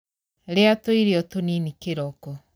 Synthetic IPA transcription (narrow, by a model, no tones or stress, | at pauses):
ɾeatoiɾeɔtoninikeɾɔkɔ